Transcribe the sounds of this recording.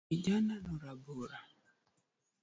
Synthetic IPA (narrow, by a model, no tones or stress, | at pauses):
id͡ʒananɔɾaboɾa